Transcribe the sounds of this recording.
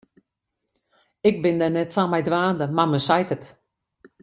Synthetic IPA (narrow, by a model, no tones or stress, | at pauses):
ɪk̚bɪndɛnɛtsamɛjdʋaːndəmaməsajtət